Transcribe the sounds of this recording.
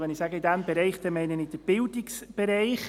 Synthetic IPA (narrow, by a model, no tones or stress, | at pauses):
ʋɛnɪsaːɡəɪdɛmbɛɾɛɪχd̪̥ɛmɛɪnənɪd̥əb̥ɪldɪksb̥ɛɾɛɪχ